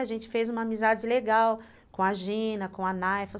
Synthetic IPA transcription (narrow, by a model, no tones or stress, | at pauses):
aʒẽnt͡ʃɪ̥fejzũmɐamizad͡ʒɪleɡaw | kõɐʒĩnɐkõɐnajfɐ